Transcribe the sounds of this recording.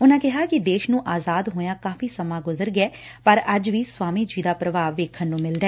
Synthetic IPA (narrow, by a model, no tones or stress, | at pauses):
ʊnãːkɪɦaːkɪd̪eːʃnũːʔaːzaːd̪ɦoːjãːkaːfiːsəmãːɡʊzəɾɡɛː | pəɾəd͡ʒʋiːswaːmiːd͡ʒiːd̪aːpɾəʋaːʋeːkʰːənːũːmɪld̪ɛː